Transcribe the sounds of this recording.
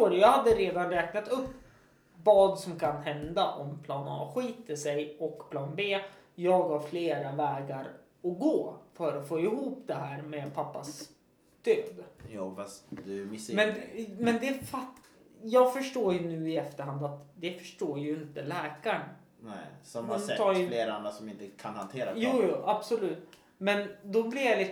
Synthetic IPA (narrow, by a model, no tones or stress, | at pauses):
oːɖ̪ɛjɑːɡhad̪ːəɾeːd̪anɾɛːknat̪ɵpː | vɑːd̪sɔmkʰanɦɛnd̪aʔɔmpʰlɑːnɑ̰ːɧiːt̪əʂɛjɔkːpʰlɑːnbeːjɑːɡhaɾfleːɾavɛːɡaɾ | ɔɡoːfœɾɔfoːɪhuːpd̪ɛɦæːɾmɛpʰapːas | d̪̥øːd̪juːfast̪d̪ɛmɪmɛnmɛnd̪ɛfat | jɑːɡfœʂʈoːɾjɵnʉ̟ːɪɛft̪əɾhand̪at̪d̪ɛfœ̥ʂʈoːɾjɵɪnt̪əlɛːkaɳ | nɛsɔmaɔntɛɑːjfleːɾand̪ɾasɔmɪnt̪əkʰanhant̪ʰeːɾajuːjuːʔab̥sʊlʉ̟ːt̪ | mɛnd̪ɔblɪjalɪ